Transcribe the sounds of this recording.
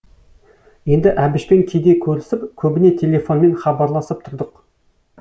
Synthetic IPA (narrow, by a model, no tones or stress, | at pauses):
je̞nd̪ɪʔæbɪʃpe̞ŋkʲʰe̞jd̪e̞kʲʰɵɾlɪsɪpkʲʰɵbɪne̞t̪ʲʰe̞lʲe̞fo̞nme̞nχɑbɑɾlˠɑsəp̚t̪ʰʊɾd̪əq